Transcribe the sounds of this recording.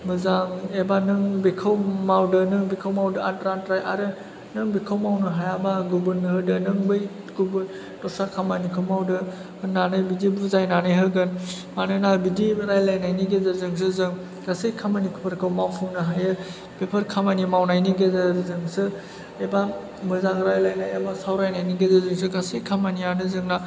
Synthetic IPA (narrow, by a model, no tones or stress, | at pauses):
mɯzaebanɯŋbekʰawmawdɯnɯŋbikʰawmawdɯatɾantɾajaɾɯ | nɯŋbikʰawmawnɯɦajabaɡubɯnhɯdɯnɯŋbɯj | ɡ̥ubɯn | tɔsakʰamanikʰɯwmawdɯ | hɯnːanɯjbidibuzajnanɯjɦɯɡɯn | manɯnabidibɾajlajnajniɡezaɾzɯŋs̬ɯzɯŋ | kasejkʰamanikʰɯpʰɐɾkʰawmawpʰuŋnɯɦajɯ | pepʰɐɾkʰamanimawnajniɡezaɾzɯŋsɯ | eba | mɯzaŋɾajlajnajamasawɾajnajniɡezazɯŋsɯkasejkʰamanianɯzɯŋna